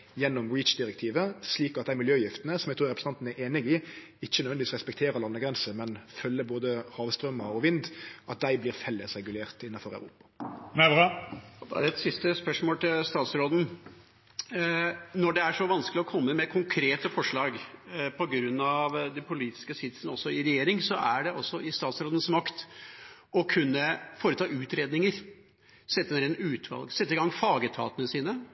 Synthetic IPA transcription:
jɛnːɔmɹiːt͡ʃd̪ɪɾɛk̚t̪ʰiːʋəsliːkɑt̪d̪æɪmɪljøːjɪft̪ənəsɔmɛɡt̪ʰuːɾɛpɾə̥s̩ɑnt̪n̩æɾeːnɪɡɪ | ɪçːəɛɾnʋɛnd̪ɪiːsɾɛspɛk̚t̪ʰeːɾəlɑnːəɡɾɛnsəmɛnfœlːəboːd̪əhɑːʋst̪ɾœmːəɾɔʋɪnd̪ʔɑt̪̚d̪æɪblɪːʁfɛlːəsɾɛɡʉleːʁt̪ɪnːɑfɔɾæ̰ʉɾṵːpɑ̥mɛʋʁɑd̪ɛæ̰ɾɛt̪sɪst̪əspœʂmoːlt̪ʰɪlst̪ɑːt̪sɾoːd̪n̩ | nɔɖɛæʂɔʋɑnsklɪɔkʰɔmːəmɛkʰʊŋkʰɾeːt̪əfɔʂɭɑːɡpʰɔɡɾʉnːɑʋd̪ɛnpʰʊliːt̪ɪ̥skəsɪd̪sənəɔsːɔɪɾɛjeːɾɪŋsɔʔæɖɛɔsːɔɪst̪ɑːt̪sɾoːd̪ən̩smɑkt̪ | ɔkʰʉnːəfoːɾət̪ʰɑːʔʉːt̪ɾeːd̪nɪŋəɾ | sɛt̪ːəɛnɾɛd̪n̩ʉːt̪ʰʋɑ̰lɡsɛt̪ːəɪɡɑŋfɑːɡət̪ʰɑ̰ːt̪ənəsiːnə

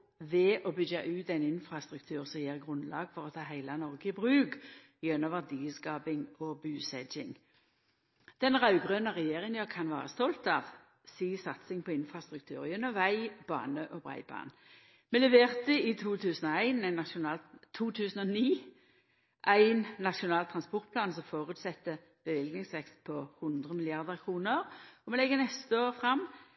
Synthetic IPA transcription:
ʋɛʔɔbʏɡɑʔʉːt̪æɪnɪnfɾɑst̪ʁʉkt̪ʰʉːʁsɔmjeːʁɡʁʉnlɑ̰ːɡfɔʁɔt̪ʰɑːɦæɪlɑnɔʁɡəɪbʁʉːk | jɛnɔʋæʁd̪iːskɑːpɪŋɔbʉːsɛd͡ʒɪ̰ŋ | d̪̥ɛnʁɑʉɡʁøːnəʁɛjeːʁɪŋənjøːkʰɑnʋɑ̰ːʁəst̪ɔlt̪ɑʋ | siːsɑt̪sɪŋpʰɔɪnfʁɑst̪ʁʉk̚t̪ʰʉːʁjœnɔʋæɪb̥ɑ̰ːnəʔɔbʁæ̰ɪbɑ̰ːn | mɛlɛʋeːʁt̪əɪt̪ʰuːt̪ʰʉːsən̩ɔæɪnæɪnʊɑt̪ʰuːt̪ʰʉːsən̩ɔniː | ʔæɪnːɑʃʊnɑːlt̪ʰʁɑnspɔʁt̪̚pʰlɑːnsɔmfoːʁʉːt̪sɛt̪ːə | b̥əʋɪlɡnɪŋsʋɛkst̪pʰɔhʊnd̪ʁəmɪlɪɑʁd̪əʁkʰʁuːnəʁɔmɛlɛɡːənɛst̪əoːʁfʁɑmː

